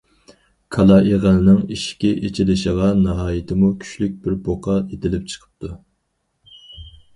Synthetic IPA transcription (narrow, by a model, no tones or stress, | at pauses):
kʰɑlˠɑeʁælnɨŋiʃkʲiʔet͡ʃʰilɪʃɪʁɑnɑɦɑːjɪt̪ʰɪmukʲʰy̥ʃlyk̚ʲbɪɾboqʰɑet̪ʰɪlɪp̚t͡ʃʰə̥qʰə̥p̚t̪ʰu